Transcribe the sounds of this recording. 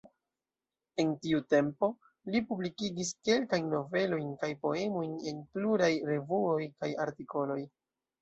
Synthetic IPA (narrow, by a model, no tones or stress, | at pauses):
e̞ntiute̞mpo̞ | lipublikiɡiske̞lkajnːo̞ve̞lo̞jnkajpo̞e̞mo̞jne̞npluɾajɾe̞vuo̞jkaja̰ɾtiko̞lo̞j